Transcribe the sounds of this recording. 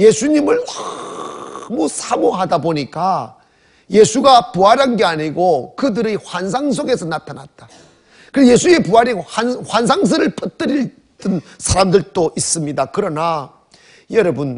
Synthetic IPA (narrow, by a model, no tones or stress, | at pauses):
je̞sʰuɲimɯɭa | musʰamoɦadaboɲik͈a | je̞sʰuɡapuɦaɾanɡe̞aɲiɡokɯdɯɾihwans̬ʰaŋs̬ʰoɡe̞sʰʌnatʰanat̚t͈a | kɯje̞sʰuiepuaɾianhwans̬ʰaŋs̬ʰɯɾɯɭpʰʌt͈ɯɾiɭ | t͈ɯnsʰaɾamdɯɭt͈oʔis͈ɯmɲidakɯɾʌna | jʌɾʌbun